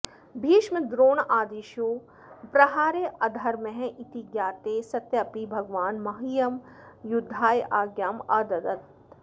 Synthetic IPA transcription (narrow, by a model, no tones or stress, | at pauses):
bʱiːʃmɪd̪ɾoːnaːd̪iːʃjoː | pɾɐɦaːɾeʔɐd̪ʱɐɾmẽɦʔit̪iɡjaːt̪eːsɐt̪jɐpibʱɐɡʋaːnmɐɦijɐmjʊd̪ʱːaːjʔaːɡjaːmaːd̪ɐd̪ɐt̪